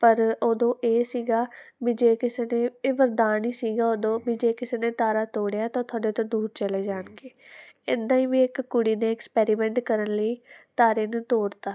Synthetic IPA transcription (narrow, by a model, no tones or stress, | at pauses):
pəɾoːd̪õːʔeːsiːɡaːbiːd͡ʒeːkɪseːneːeːʋəɾd̪aːniːsiːɡaːoːd̪õːbiːd͡ʒeːkɪseːnẽːt̪aːɾaːt̪oːɽejaːt̪ãːt̪ʰaːɖeːt̪ãːd̪uːɾt͡ʃəleːd͡ʒaːnkeːɪd̪ãːĩːbiːɪkkːʊɽiːneːɪkspɛːɾiːmɛ̃ːɳʈkəɾənləiːt̪aːɾeːnũːt̪oːɾt̪aː